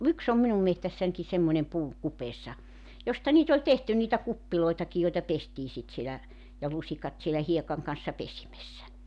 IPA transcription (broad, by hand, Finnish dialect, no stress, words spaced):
yks om minum mehtæsːænki semːonʲem puː kupeːsːɑ jostɑ niːt olʲ tehty niːtæ kupːiloitɑki joitɑ pestiː sit sielæ jɑ lusikɑt sielæ hiekɑŋ kɑn̞sːɑ pesimesːæ